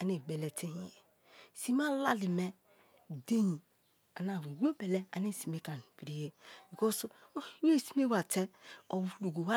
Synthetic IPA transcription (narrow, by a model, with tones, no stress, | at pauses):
a˨ne˨ɡ͡be˨le˨te˦ɲi˨˦e˨ | si˦m˦a˦la˦li˨me˦ | de˦ɲi˨ | a˨na˨wi˨wo˦be˨le˦a̰˨ni˦˨si˨me˦ka˨n˨pi˨ɾi˨je˦bi˨ko˦swe˦˨si̥˦me˦wa˨te˦o˨wlu˨ɡo˨wa˦